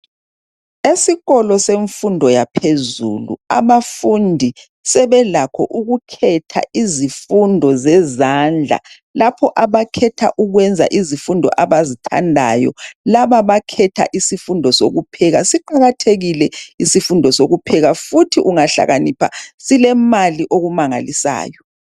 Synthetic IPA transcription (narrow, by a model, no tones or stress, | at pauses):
esiɣɔlɔseɱfundʱɔjapʰezṵlṵa̰βafundʱi | sɛβɛlakʰɔ̰ʔuɣukʰɛtʰa̰izifundʱɔzɛzand͡ɮʱa̰ | lapʰɔʔaβakʰɛtʰa̰ʔuɣwɛnd͡zʱa̰ʔizifundʱɔ̰ʔaβazitʰa̰ndʱa̰jɔ̰laβaβakʰɛtʰa̰ʔisifundʱɔso̰ɣupʰɛɣasiǃaɣatʰeɣilɛisifundʱɔsoɣupʰɛɣafutʰiʔuŋaɬa̰ɣanipʰasilɛmaliʔoɣumaŋa̰lisa̰ːjɔ